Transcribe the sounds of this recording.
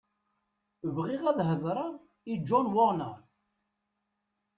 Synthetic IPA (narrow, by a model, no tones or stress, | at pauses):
vʁɪʁæðɦəðˤɾˤɑ | id͡ʒɔnwoʁnæ